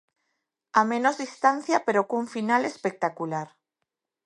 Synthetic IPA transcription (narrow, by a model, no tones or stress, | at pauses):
amẽnozðist̪anθjapeɾokuɱfinalespek̚t̪akulaɾ